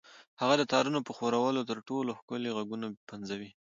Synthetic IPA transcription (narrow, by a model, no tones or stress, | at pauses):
haɣad̪ət̪ɑɾunopəxoɾawəlot̪əɾʈoloxkʊleɣaɡunapanzawi